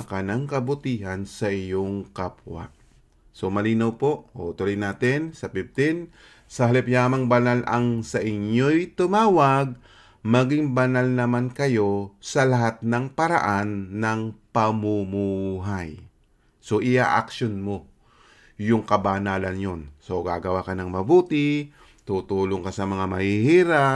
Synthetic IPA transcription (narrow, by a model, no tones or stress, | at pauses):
kanɐŋkɐbʊt̪iːhɐnsɐʔɪjo̞ŋkapwa̰ʔ | so̞mɐliːnɐwpo̞ʔo̰ʔt̪olɪjnaːt̪ɪnsɐpɪb̚t̪ɪn | sɐhɐlɪpjaːmɐŋbɐnalʔɐ̰ŋsɐʔɪnjo̞jt̪ʊmaːwɐɡ̚ | mɐɡɪŋbɐnalnɐmankɐjo̞sɐlɐɦat̪̚nɐŋpɐɾɐ̰ʔanːɐŋpɐmumuːɦaj | so̞ʔɪʔa̰ʔakʃonmo̞ | jʊŋkɐbanaːlɐnjo̞nso̞ɡa̰ɡɐwakɐnɐŋmɐbuːt̪ɪ | t̪uːt̪uːloŋkasɐmɐŋamɐhihiːɾa